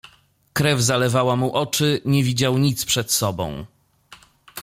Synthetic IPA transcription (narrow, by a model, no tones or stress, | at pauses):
kɾɛvzalɛvawamuʔɔt͡ʂɘɲɛvʲid͡ʑawɲit̪spʂɛt̪sɔbɔ̰̃w̃